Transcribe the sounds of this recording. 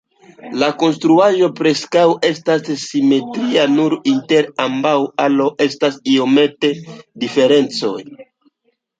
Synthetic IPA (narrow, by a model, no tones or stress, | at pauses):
lako̞ns̬tɾuaʒo̞pɾe̞skawe̞stasːime̞tɾianuɾinte̞ɾambawalo̞ʔe̞stasio̞me̞te̞dife̞ɾe̞nt͡so̞j